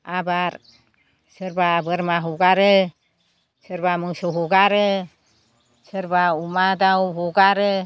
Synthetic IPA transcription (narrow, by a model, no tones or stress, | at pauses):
abaɾ | səɾbabəɾmaɦɔɡaɾe | səɾbamusɔɦɔɡaɾe | səɾbaumad̪awɦɔɡaɾe